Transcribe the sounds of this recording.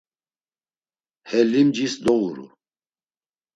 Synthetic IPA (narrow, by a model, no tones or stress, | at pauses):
hɛlimd͡ʒisd̪ɔuɾṵ